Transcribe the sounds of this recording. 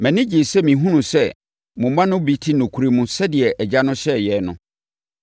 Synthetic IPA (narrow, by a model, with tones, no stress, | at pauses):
mɛ̃˨nɪ̃˦d͡ʑi˨sɛ˦mĩ˨ɦũ˦nũ˨sɛ˦˨ | mʊ̃˨mã˦nʊ̃˦bi˨tʰi˦nʊ̃˨kʰu˨˦ɾe˦mũ˨sɛ˦dɪ˨ɛ˨ʔɛ˨d͡ʑa˦nʊ̃˦ɕɛ˦˨jɛ˨nʊ̃˨